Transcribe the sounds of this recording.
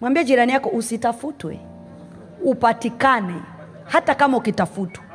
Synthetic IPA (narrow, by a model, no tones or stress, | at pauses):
mwambiɛad͡ʒiɾanijakɔʔusitafutwɛ̰ | upatikanɛ̰ | hatakamaukitafutwɛ